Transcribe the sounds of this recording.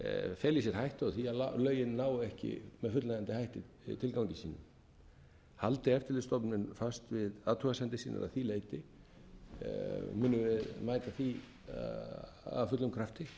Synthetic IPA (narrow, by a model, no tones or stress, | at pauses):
fɛːlisɛɾ̥hajht̪ɔɣθialalœːɥjɪnːaːwʏɛhcɪ̰mɛðfʏt̪laɣant̪ɪhajht̪ɪ | t̪ʰɪlkawɲcɪsiːnʏ̰m | halt̪ɪɛft̪ɪɾlɪst̪ɔpnɪnfast̪vɪðaːðt̪ʰœɣasɛnt̪ɪsiːna̰ɾa̰θileːjt̪ɪ | mʏːnʏvɪðmaːjt̪aθi | a̰fʏt̪lʏmkʰɾaft̪ɪ